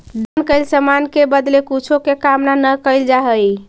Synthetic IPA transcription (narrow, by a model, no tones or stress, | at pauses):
d̪ənkəɪlsəmankebəd̪lekut͡ʃʰokekamnanəkəɪld͡ʒaɦəj